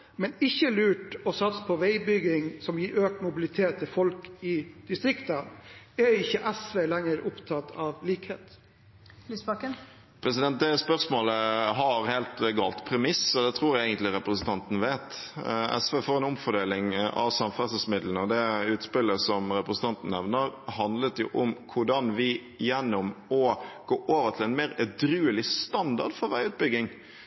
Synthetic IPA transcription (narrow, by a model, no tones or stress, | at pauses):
mɛnɪçːəlʉːʈɔsɑt̪spʰɔʋæɪbʏɡɪŋsɔmjiːɾøːk̚t̪mʊbɪlɪt̪ʰeːt̪ʰːɪlfɔlkɪd̪̥ɪst̪ɾɪkt̪əæjɪçːəʔɛsʋeːlɛŋːəɾʊpt̪ʰɑt̪ʰːɑʋliːkhḛːt̪ | lːsbɑkən | pʰɾɛsɪd̪ɛnt̪̚d̪ɛspœɾsmoːləɦɑɾheːlt̪ɡɑːlt̪pʰɾɛmɪsɔd̪ɛt̪ʰɾuːɾjæeːɡənt̪lɪɾɛpɾəsənt̪ʰɑnt̪ən̩ʋeːt̪ | ɛ̰sʋeːfɔɾɛnʊmfɔɖeːlɪŋʔɑ̰ʋsɑmfæsəsmɪd̪lənɔd̪ɛʉːt̪spɪlːəsɔmɾɛpɾəsən̩t̪ʰɑnt̪n̩ːɛʋnəɾhɑnd̪lət̪jʊ̰ʔʊmkʰʊɖɑnʋɪ | jɛnːʊmɔɡ̥oːʔoːʋət̪ʰɪlɛnmeːɾɛd̪ɾʉːəlɪst̪ɑnd̪ɑɖfɔɾʋæɪʉːt̪̚bʏɡɪŋ